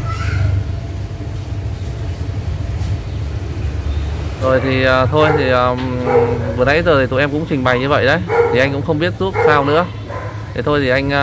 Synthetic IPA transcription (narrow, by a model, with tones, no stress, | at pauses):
zo˨˩jt̪ʰi˨˩əː˨˩t̪ʰo˧jt̪ʰi˨˩əː˨˩ | vɨ˨˩nə̰˧˥jzəː˨˩t̪ʰi˨˩t̪u˨˩ʔɛ˧mkʊ̰˧˥ŋ͡mt͡ɕï˨˩ŋ̟ɓa˨˩jɲɨ˧və̰˧˨jɗə˦jt̪ʰi˨˩ʔa˧ŋkʊ̰˧˥ŋ͡mxə˧wŋ͡mɓi˦˥ət̚zu˦˥t̚saː˧wnɨ̰˧˥ə | e˨˩t̪ʰo˧jt̪ʰi˨˩ʔa˧jŋ̟˧